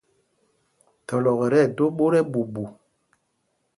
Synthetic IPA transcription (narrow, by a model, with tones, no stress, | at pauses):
tɔ˨lɔ˨ɣɾɛ˦˨do˦ɓo˦ɾɛ˦bu˨bu˨